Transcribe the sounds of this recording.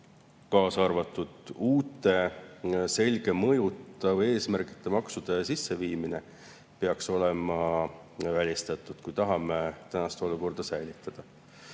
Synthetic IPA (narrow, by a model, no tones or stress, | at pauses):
kɑːsɑrvɑt̪ːˑud̪̥uːt̪ːˑe̞ | se̞lʲɡ̥e̞mɤjut̪ːˑɑve̞ːsmærki̥t̪ːe̞mɑksud̪̥e̞sisːe̞viːmine̞ | peɑkso̞le̞mɑ | vælʲist̪ɑt̪ːˑud̪̥kujt̪ɑɦɑmet̪ænɑst̪o̞luko̞rd̪̥ɑsæjlit̪ˑːɑd̪̥ɑ